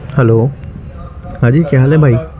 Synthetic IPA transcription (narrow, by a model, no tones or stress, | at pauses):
hɛlo | ad͡ʑikɛɦalɛbʱaj